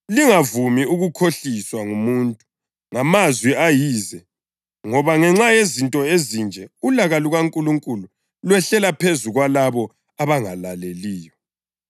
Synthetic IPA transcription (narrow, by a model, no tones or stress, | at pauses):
liŋavumiuɣukʰoɬiswaŋumuntʼu | ŋamazwiajiːzɛ | ŋɔβaŋɛŋ͡ǁajezintʼɔezind͡ʒʱɛulaɣaluɣaŋkʼuluŋkʼulu | lwɛɬɛlapʰezuɣwalaβɔ | aβaŋalaleliːjɔ